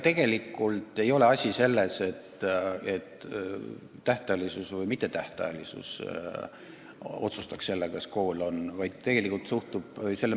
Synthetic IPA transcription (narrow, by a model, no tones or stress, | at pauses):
t̪e̞ɡ̥e̞likːˑult̪ˑe̞jo̞le̞ɑsʲise̞lːe̞se̞t̪ːet̪ː | æht̪ɑlisusvɤjmit̪ːˑe̞t̪æht̪ɑ̰ɑlisṵs | o̞̰t̪sust̪ɑ̥ksse̞lːekɑsko̞ːlo̞nvɑjd̪̥̚t̪e̞ɡ̥e̞likːˑult̪suht̪ub̥se̞lːe